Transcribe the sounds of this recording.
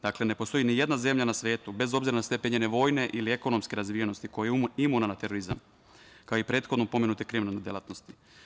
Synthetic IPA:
d̪akle̞ne̞po̞st̪o̞jinije̞d̪naze̞mʎanasʋe̞ːt̪ube̞zo̞bziɾanast̪epeɲene̞ʋo̞jne̞ʔilieko̞no̞mske̞ɾazʋijeno̞st̪iko̞jejimunanat̪e̞ɾoɾiza̰m | kaoipɾe̞ːt̪xod̪nopo̞me̞nut̪ekɾiminaned̪jela̰t̪no̞st̪i̥

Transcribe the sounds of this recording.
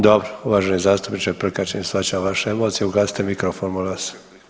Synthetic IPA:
d̪obɾouʋaʒenezaːst̪upnit͡ʃapɾ̩kat͡ɕenisʋat͡ɕaʋaʃeemot̪sieuɡlaːsi̥t̪emikɾofonmolas

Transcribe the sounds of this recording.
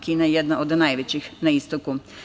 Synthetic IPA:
kiːnajed̪naʔod̪najʋet͡ɕixnaist̪oku

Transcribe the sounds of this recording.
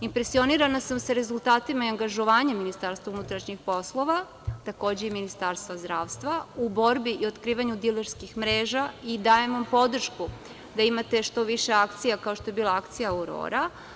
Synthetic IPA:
impɾe̞sio̞niɾanasamsaɾe̞zulˠt̪aːt̪imaiaŋɡaʒo̞ʋaːɲemːinist̪aɾst̪vʋaunut̪ɾaʃɲixpo̞slˠo̞ʋa | t̪ako̞ːd͡ʑeiminist̪aɾst̪ʋazd̪ɾaːʋst̪ʋaubo̞ɾbiʔio̞t̪kɾiːʋaɲud̪ileɾskixmɾe̞ːʒaid̪aːjemʋampo̞d̪r̩ʃku | d̪aimat̪e̞ʃt̪o̞ʋiʃe̞akt̪sijakao̞ʃt̪o̞je̞biːlˠaakt̪sijauɾo̞̰ːɾa

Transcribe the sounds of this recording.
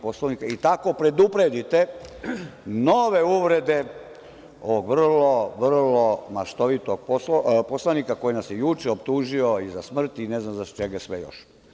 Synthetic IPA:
poslˠaʋnikait̪ako̞pɾe̞d̪upɾed̪it̪e | noʋe̞uʋɾe̞d̪e̞ | o̰ʋoɡʋr̩lo̞ʋr̩lo̞maʃt̪oʋit̪oɡ̚posposlanikako̞jinasjejut͡ʃeopt̪uːʒio̞izasmr̩t̪ineznamzat͡ʃeɡasʋḛjo̰ʃ

